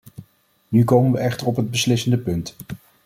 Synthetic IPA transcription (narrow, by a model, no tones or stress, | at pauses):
nykowmənʋəʔɛχtəɹɔpɦəd̚bəslɪsəndəpɵnt